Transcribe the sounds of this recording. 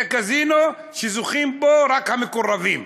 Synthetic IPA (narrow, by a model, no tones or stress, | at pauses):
ɛkazinɔ | ʃizuximbɔɾakamikuɾaðim